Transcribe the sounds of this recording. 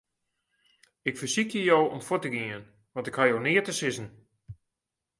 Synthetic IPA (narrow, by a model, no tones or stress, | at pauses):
ɪkfərsikjəjowɔ̰mfotəɡiən | ʋɑ̃ntɪkhajownɪətəsɪsən̩